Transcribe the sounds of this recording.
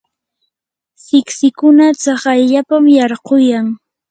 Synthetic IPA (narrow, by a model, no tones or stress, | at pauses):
sɪksɪkʊnat͡sɑχajʎapamjɑɾqojaŋ